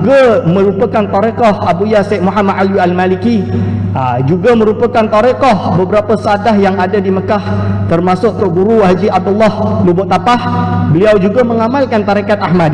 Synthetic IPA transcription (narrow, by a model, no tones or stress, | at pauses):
ɡamə̃ɾupəkant̪ɔɾekɔhabujaseʔ̚muɦamadalialmalikiəd͡ʒuɡamə̃ɾupəkant̪ɔɾekɔhbəbəɾapəsəadaɦjaŋadadiməkaht̪ərmasʊʔ̚t̪ʊʔbuɾuɦad͡ʒiab̚dəlːɔhlubʊʔt̪apahbəliawd͡ʒuɡaməŋamalkant̪aɾekat̪̚ahmad